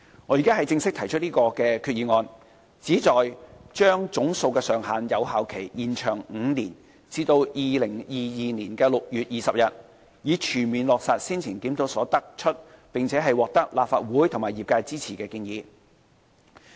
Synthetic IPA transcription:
ŋɔː˨˧ji˨˩kaː˥ɦɐ˨jt͡sɪ˧ŋsɪ˥k̚t̪ʰɐ˨˩jt͡ʃʰɵ˥t̚liː˥kɔː˧kɛː˧kʰyː˧t̚jiː˨˧ŋɔː˧n | t͡siː˨˥t͡sɔː˨jt͡ʃœː˥ŋt͡sʊ˨˥ŋso˧wkɛː˧sœː˨˩ŋɦaː˨njɐ˨˧whaː˨˧wkʰe˨˩jjiː˨nt͡ʃʰœː˨˩ŋŋ̩ː˨˧niː˨˩n | t͡siː˧t̪o˧wjiː˨lɪ˨˩ŋjiː˨jiː˨niː˨˩nkɛː˧lʊ˨k̚jyː˨t̚jiː˨sɐ˨p̚jɐ˨t̚ | jiː˨˧t͡ʃʰyː˨˩nmiː˨nlɔː˨k̚saː˨t̚siː˥nt͡sʰɪ˨˩nkiː˨˥mt̪o˨˥wsɔː˨˥t̪ɐ˥k̚t͡ʃʰɵ˥t̚pɪ˨ŋt͡sʰɛː˨˥ɦɐ˨jwɔː˨k̚t̪ɐ˥k̚laː˨p̚faː˧t̚wuː˨˥jt̪ʰʊ˨˩ŋmaː˨jiː˨p̚kaː˧jt͡siː˥t͡sʰiː˨˩kɛː˧kiː˧njiː˨˧

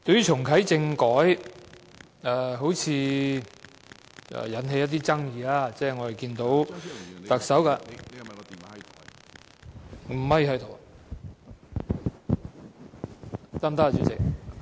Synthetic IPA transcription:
t̪ɵ˧ɥyː˥t͡ʃʰʊ˨˩ŋkʰɐ˨˥jt͡sɪ˧ŋkɔː˨˥j | ɛː˧ɦo˨˥wt͡sʰiː˨˧ | ʔɛ̰ː˨jɐ˨˥nɦe˧jɐ˥t̪̬̚iː˥t͡sɐ˥ŋjiː˨˧aː˧t͡sɛː˥˩ŋɔ˨˧e˨˩jkiː˧nt̪o˨˥wt̪ɐ˨k̚sɐ˨˥wkaː˧ | m̩˨˩mɐ˨˥jhʰɐ˨˥jt̪ʰo˨˩w | t͡saː˥mt̪a˥˨t͡ʃy˨˥t͡sɪ˨k̚

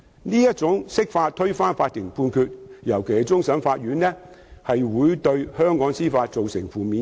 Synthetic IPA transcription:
niː˥jɐ˥t̚t͡sʊ˨˥ŋsɪ˥k̚faː˧t̚t̪ʰɵ˥ɥfaː˥nfaː˧t̚kɪ˨˩ŋpʰuː˧nkʰy˧t̚jɐ˨˩wkʰe˨˩˦t͡sʊ˥ŋsɐ˨˥nfaː˧t̚ɥyː˨˥nlɛː˥ | hɐ˨jwuː˨˥jt̪ɵ˧ɥhœː˥ŋkɔː˨˥ŋsiː˥faː˧t̚t͡so˨wsɪ˨˩ŋfuː˨˩mi˨˧

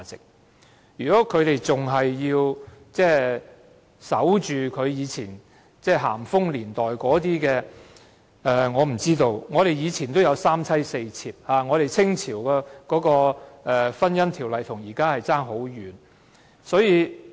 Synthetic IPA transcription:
t͡sɪ˨k̚ | jyː˨kɔː˨˥kʰɵ˨˧ɥɾe˨jt͡sʊ˨ŋɦɐ˨jːiː˧wt͡sɛː˥˩ | sɐ˨˥wt͡ʃyː˨kʰɵ˨˧ɥjiː˨˧t͡sʰiː˨˩n | t͡sɛː˥˩ɦa̰ː˨˩mfʊ˥ŋliː˨˩nt̪ɔː˨jkɔː˨˥t̪iː˥kɛː˧ | ɛː˨˧ŋɔː˨˧m̩˨˩t͡siː˥t̪o˧wŋɔː˨˧ɾe˨jiː˨˧t͡sʰi˨˩nt̪o˥wjɐ˨˧wsaː˥mt͡sʰɐ˥jse˧jt͡sʰiː˧p̚haː˨˧ŋɔː˨˧ɾe˨jt͡sʰɪ˥ŋt͡sʰiː˨˩wkɛː˧kɔː˨˥kɔː˧ʔɛː˨˧fɐ˥njɐ˥nt̪ʰiː˨˩wlɐ˨jt̪ʰʊ˨˩ŋjiː˨˩kaː˥hɐ˨jt͡saː˥ŋɦo˨˥wjyː˨˧n | sɔː˨˥jiː˨˧

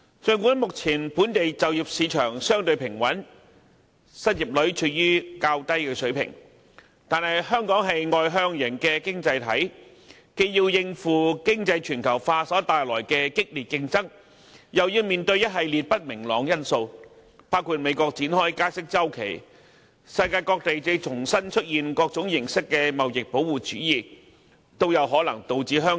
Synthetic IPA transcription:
t͡ʃɵ˨˧ŋkʷuː˨˥nmʊ˨k̚t͡sʰiː˨˩npuː˨˥nt̪e˨jt͡sɐ˨wjiː˨p̚siː˨˧t͡ʃʰœː˨˩ŋsœː˥ŋt̪ɵ˧ɥpʰɪ˨˩ŋwɐ˨˥n | sɐ˥t̚jiː˨˩p̚lɵ˨˥ɥt͡ʃʰɵ˨˩t̚jyː˥kaː˧wt̪ɐ˥jkɛː˧sɵ˨˥ɥpʰɪ̰˨˩ŋ | t̪aː˨nhɐ˨jɦœː˥ŋkɔː˨˥ŋɦɐ˨jŋɔː˨jɦœː˧˥ŋjɪ˨˩ŋkɛ˧kɪ˥ŋt͡sɐ˧jt̪ʰɐ˨˥j | ke˧jjiː˧wjɪ˧ŋfuː˨kɪ˥ŋt͡sɐ˧jt͡ʃʰyː˨˩nkʰɐ˨˩wfaː˧sɔː˨˥t̪aː˨jlɔː˨˩jkɛː˧kɪ˥k̚liː˨t̚kɪ˧ŋt͡sɐ˥ŋ | jɐ˨wjiː˧wmiː˨nt̪ɵ˧ɥjɐ˥t̚ɦɐ˨jliː˨t̚pɐ˥t̚mɪ˨˩ŋlɔː˨˧ŋjɐ˥nso˧w | paː˥wkʰuː˧t̚me˨˧jkɔː˧k̚t͡siː˨˥nhɔː˥jkaː˥sɪ˥k̚t͡sɐ˥wkʰe˨˩j | sɐ˧jkaː˧jkɔː˧k̚t̪e˨jt͡se˧t͡sʰʊ˨˩ŋsɐ˥nt͡ʃʰɵ˥t̚jiː˨nkɔː˧k̚t͡sʊ˨˥ŋjɪ˨˩ŋsɪ˥kːɛː˧mɐ˨wjɪ˨k̚po˨˥wuː˨˩t͡ʃyː˨˥jiː˨ | t̪o˥wjɐ˨˧wɦɔː˨˥lɐ̰˨˩ŋt̪o˨wt͡siː˨˥ɦœː˥

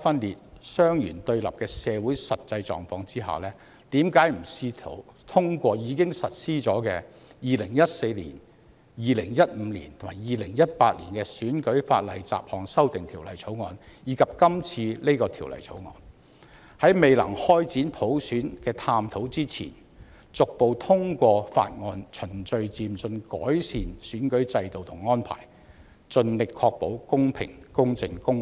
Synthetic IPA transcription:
fɐ˥nliː˨t̚sœː˥ŋjyː˨˩nt̪ɵ˧ɥlɐ̰˨˩p̚kɛː˧sɛː˨˧wu˨˥jsɐ˨t̚t͡sɐ˧jt͡sɔ̰ː˨ŋfɔː˧ŋt͡siː˥ɦa̰ː˨˩wlɛː˥ | t̪iː˨˥mkaː˨˥jm̩˨˩siː˥t̪ʰo̰˨˥wt̪ʰʊ˥ŋkʷɔː˧jiː˨˧kɪ˥ŋsɐ˨t̚siː˥t͡sɔː˨˥kɛː˧ | jiː˨lɪ˨˩ŋjɐ˥t̚se˧jlḭː˨˩n | jiː˨˧lɪ˨˩ŋjɐ˥t̚m̩ː˨˧lḭː˨˩nt̪ʰmaː˨˩jiː˨lɪ˨˩ŋjɐ˥t̚paː˧t̚liː˨˩nkɛː˧syː˨˥nkɵ˨˥ɥfa̰ː˧t̚lɐ˨˩jt͡sa̰ː˨p̚hɔː˨ŋsɐ˥wt̪ɪ˨ŋt̪ʰiː˨˩wlɐ˨˩jt͡sʰo˨˥wŋɔː˨˧njiː˨˧kʰɐ˨p̚kɐ˥mt͡sʰiː˧le˥jkɔː˧t̪ʰiː˨˩wlɐ̰˨˩jt͡sʰo̰˨˥wŋɔ̰ː˨˧n | hɐ˨˥jme˨jlɐ̰˨˩ŋhɔː˥jt͡siː˨˥npʰo˨˥wsyː˨˥nkɛː˧t̪ʰaː˧mt̪ʰo˨˥wt͡siː˥t͡sʰḭː˨˩n | t͡sʊ˨k̚po˨wt̪ʰʊ˥ŋkʷɔː˧fa̰ː˧t̚ŋɔː˧nt͡ʃʰɵ˨˩nt͡ʃɵ˧ɥt͡siː˨mt͡sɵ˧nkɔ̰ː˨˥jsiː˨˩nsyː˨˥nkɵ˨˥ɥt͡sɐ˧jt̪o˨wt̪ʰʊ˨˩ŋːɔː˥npʰa̰ː˨˩j | t͡ʃɵ˧nlɪ˨kʰːɔː˧k̚po˨˥wkʊ˥ŋpʰɪ̰˨˩ŋkʊ˥ŋt͡sɪ˧ŋkʊ˥ŋ

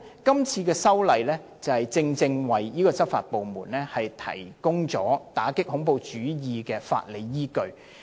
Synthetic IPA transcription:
kɐ˥mt͡sʰiː˧kɛː˧sɐ˥wlɐ˨jlɛː˥t͡sɐ˨˩whɐ˨jt͡sɪ˧ŋt͡sɪ˧ŋwɐ˨jjiː˥kɔː˧t͡sɐ˥p̚fa̰ː˨t̚po˨wmuː˨˩nlɛː˥hɐ˨jt̪ʰɐ̰˨˩jkʊ˥ŋt͡sɔ̰ː˨˥t̪aː˨˥kɪ˥k̚hʊ˨˥ŋpo˨wt͡ʃyː˨˥jiː˨˧kɛː˧fa̰ː˧t̚le˨˧jːiː˥kɵ˧ɥ

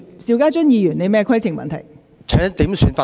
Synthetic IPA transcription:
siː˨˧wkaː˥t͡sɵ˥njiː˧jyː˨˩ne˨˧jmɛː˥kʰɐ˥jt͡sʰɪ˨˩ŋmɐ̰˨nt̪ʰɐ̰˨˩j | t͡ʃʰɛː˨˥ŋ˥t̪iː˨˥msyː˧nfaː˧

